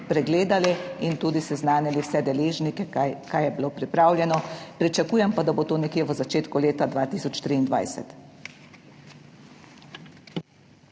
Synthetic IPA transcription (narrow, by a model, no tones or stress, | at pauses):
pɾɛɡleːd̪aliint̪uːd̪isɛznaːniliwsɛd̪ɛleːʒnikɛkajɛbiloːpɾipɾaːwlʲjɛnɔpɾit͡ʃakuːjɛmpad̪abot̪oːnɛkjeʋəzat͡ʃeːt̪kuleːt̪ad̪ʋaːt̪isɔt͡ʃt̪ɾiːnd̪ʋa̰jsɛ̰t̪